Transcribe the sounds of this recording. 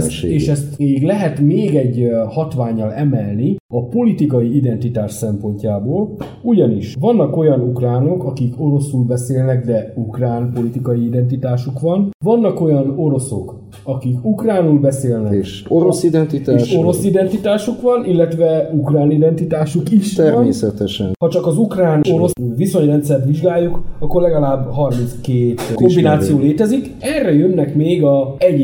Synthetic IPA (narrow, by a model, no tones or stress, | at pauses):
seːʃɛst̪eːɡlɛɦɛt̪meːɡɛɟːhɒt̪ʋaːɲːɒlɛmɛlniɒpo̞lit̪ikɒiid̪ɛnt̪it̪aːʃsɛmpo̞ɲcaːboːl | uɟɒniʃʋɒnːɒko̞jɒnukraːno̞kɒkiko̞ɾo̞sulbɛseːlnɛɡd̪ɛukraːnpo̞lit̪ikɒjiid̪ɛnt̪it̪aːʃukʋɒnvɒnːɒko̞jɒno̞ɾo̞so̞k | ɒkikukraːnulbɛseːlnɛʃ | oɾosid̪ɛnt̪it̪aeːʃo̞ɾo̞sid̪ɛnt̪it̪aːʃukʋɒnʔilːɛt̪ʋɛukraːnid̪ɛnt̪it̪aːʃukiʃt̪ɛrmeːsɛt̪ɛʃɛ̰nhɒt͡ʃɒkɒzukraːno̞ɾo̞sviso̞ɲrɛnt̪sɛrt̪ʋiʒɡaːjːukɒkːorlɛɡɒlaːbːɦɒrmint̪skeːt̪ko̞mbinaːt̪sijoːleːt̪ɛzik | ɛrːɛjønːɛkmeːɡɒɛɟ